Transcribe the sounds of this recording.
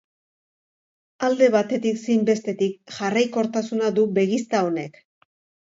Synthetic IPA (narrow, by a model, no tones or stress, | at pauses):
ald̪e̞βat̪e̞t̪iksijmbe̞st̪e̞t̪ikʝarajko̞ɾt̪asunaðuβe̞ɣist̪ao̞ne̞k